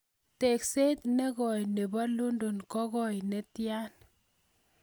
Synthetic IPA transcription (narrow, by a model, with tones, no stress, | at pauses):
te˨kse˦t̪ne˦ɣɔ˨jne˨ba˦lo˦ndo˨nkɔ˦ɣɔ˨jne˨˦tja˦n